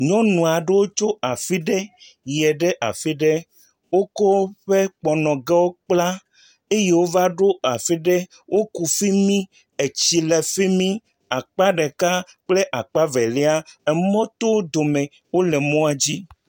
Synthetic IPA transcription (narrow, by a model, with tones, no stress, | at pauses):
ɲɔ̃˦nũ˨a˨ɖe˦wo˦t͡ʃo˦a˨fi˦ɖɛ˦ | jɛ˨ɖe˦ʔa̰˨fi˦ɖe˦ | wo˦ko˦ɸe˦k͡pɔ˨nɔ̃˨ɡɛ˦wo˦k͡pla˦ | e˦je˦wo˦va˦ɖo˦a˨fi˦ɖe˦ | wʔo˦ku˨fi˦mĩ˦ | e˨t͡ɕi˨le˨fi˦mĩ˦ | a˨k͡pa˦ɖe˨ka˦ | k͡ple˦ʔa˨k͡pa˦vɛ˨le˦a˦ɛ˨mɔ̃˦t̪o˦wd̪o˨mẽ˨ | wo˦lɛ˨mɔ̃˦a˨d͡ʑi˦